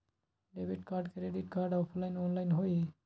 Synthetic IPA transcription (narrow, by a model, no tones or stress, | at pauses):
ɖebiʈkaɾɖkeɾeɖiʈ̚kaɾɖawpʰlajnɔnlajnɦoj